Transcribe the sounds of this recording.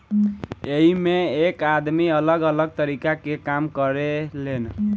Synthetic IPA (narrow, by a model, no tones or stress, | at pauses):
eɦimeːkad̪miələɡələɡ̚t̪əɾikakekamkəɾelen